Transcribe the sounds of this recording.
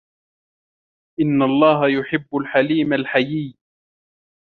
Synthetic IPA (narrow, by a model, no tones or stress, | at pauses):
ʔɪnːalˤːɑːɦajʊħɪbːʊlħaliːmalħajiː